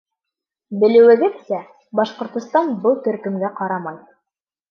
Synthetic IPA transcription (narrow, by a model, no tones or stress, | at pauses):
bɘ̆lɘ̆wɘ̆ɡɘðsæ | bɑʃqŏɾt̪ŏst̪ɑnbɤlˠt̪ɵ̆ɾkɵ̆mɡæqɑɾɑmɑj